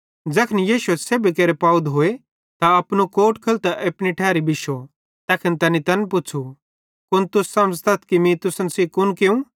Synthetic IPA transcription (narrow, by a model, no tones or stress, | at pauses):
d͡ʒɐkʰɪnijiːʃʊeseːbikɐɾepaːud̪ɦoːe | t̪aɐpnukoːʈkʰɐlt̪aʔɐpniʈʰɛːɾibɪʃo | t̪ɛːkʰɪnt̪ɐnit̪ɐnpʊt͡ʃʰu | kʊnt̪ʊsːɐ̃md͡zt̪ɐt̪ʰkimĩt̪ʊsənsikʊnkeũ